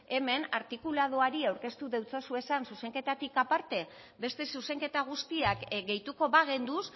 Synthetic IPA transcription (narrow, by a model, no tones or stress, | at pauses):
e̞me̞naɾt̪ikulað̞oaɾiawɾke̞st̪uðewt͡sosue̞sansuse̞ŋke̞t̪at̪ikapaɾt̪e̞ | be̞st̪e̞suse̞ŋke̞t̪aɣ̞ust̪iakɡe̞jt̪uko̞βaɣ̞e̞nd̪us